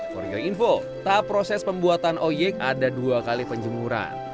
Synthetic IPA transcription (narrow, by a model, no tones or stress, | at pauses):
ko̰ɾḭjoinfo | t̪apːɾosɛspəmbuat̪anʔojɛka̰daduakalipəɲd͡ʒəmuɾa̰n